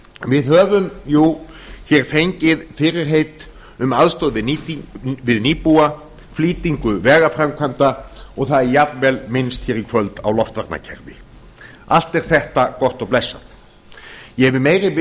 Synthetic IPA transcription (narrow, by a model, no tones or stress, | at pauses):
vɪðhœːvʏmju | çɛɾ̥fejɲcɪðfɪɾɪɾ̥ɦeːjt̪ | ʏmaðst̪owðvɪ | vɪðniːpua | fliːt̪iŋkʏvɛːɣafɾamkʰvant̪aɔɣθaðjap̚nvɛlmɪnst̪çɛɾikʰvœlt̪a̰wlɔft̪vaɾt̪na̰cʰɛ̰ɾvɪ̰ | a̰l̥t̪ɛɾ̥θɛht̪akɔht̪ɔɣplɛsːaθ | jɛɛvɪmeːjɾɪɪ